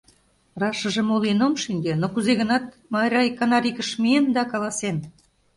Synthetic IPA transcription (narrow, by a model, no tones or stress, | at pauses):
rɑʃə̆ʒĕmolenomʃynʲdenokuzeɣə̆nɑt̪̚ | mɑɾʲɑjkɑnɑɾʲikəʃmiend̪ɑkɑlɑsen